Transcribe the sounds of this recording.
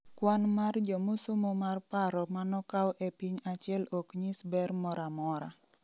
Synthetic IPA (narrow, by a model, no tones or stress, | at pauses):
kwanmard͡ʒomʊsumomarpaɾɔmanɔkawʔɛpiɲat͡ʃɪɛlokɲisbɛrmɔɾamɔɾa̰